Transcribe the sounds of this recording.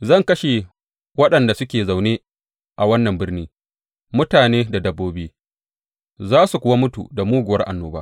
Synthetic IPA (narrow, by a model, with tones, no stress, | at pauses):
zɐ˦˨ŋkɐ˦ʃe˨ | wɐ˦ɗɐ˨nda˨sʊ˦kʲeː˨za˨wneː˦ | ʔa˨wɐ˦nːɐ˨mbɪ˦rniː˦ | mʊ˦taː˨neː˦da˨dɐ˦bːoː˦bɪ˦iː˦ | zaː˦su˨kʷʊ˨wa˦mʊ˦tṵ˨da˨muː˦ɡʷʊ˨wɐ˦rʔa̰˨nːoː˦baː˦